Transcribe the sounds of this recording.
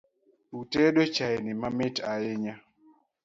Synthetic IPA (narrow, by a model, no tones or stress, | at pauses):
utɛɗot͡ʃaenɪmamɪtajɪɲa